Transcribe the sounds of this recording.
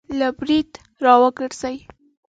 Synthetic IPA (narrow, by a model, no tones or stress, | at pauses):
labɾid̪ | ɾɑwəɡəɽz̥aj